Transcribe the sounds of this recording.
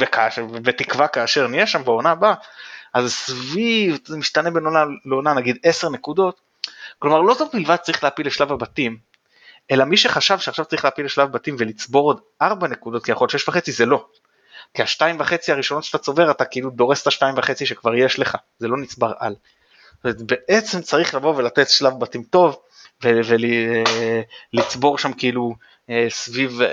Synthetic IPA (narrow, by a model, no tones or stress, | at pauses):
vekaʃvvetikvakaːʃe̞ʁnijeʃambeo̞nabaʔazsvivzemiʃtane̞benonaleonanaɡid̪e̞se̞ʁne̞kud̪o̞t | klo̞maʁlo̞t̪ofbilvad̪̚t͡saʁiχleapile̞ʃlavabatim | e̞lamiʃe̞χaʃavʃeaχʃav̥t͡saʁiχleapileʃlavabatimve̞lit͡sbo̞ʁo̞d̪ | aʁbane̞kud̪o̞t̪̚kijaχo̞lʃeʃvaχe̞t͡size̞lo̞ | kiaʃtaimvaχe̞t͡siaʁiʃo̞notʃeat̪at͡so̞ve̞ʁatakeilud̪o̞ʁe̞st̪aʃtaimvaχe̞t͡siʃe̞kvaʁje̞ʃle̞χa | ze̞lo̞nit͡sbaʁa̰l | met̪be̞ʔe̞t͡se̞mt͡saʁiχlavo̞velatetʃlavbatimto̞v | vevel | lit͡sbo̞ʁʃamkeilu | esviv